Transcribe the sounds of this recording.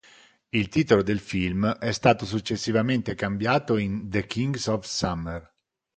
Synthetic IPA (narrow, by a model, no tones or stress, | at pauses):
ilt̪iːt̪olod̪elfilmɛst̪aːt̪os̬ut͡ʃːesːivament̪ekambjaːt̪oind̪ekʰiŋɡsɔfsamer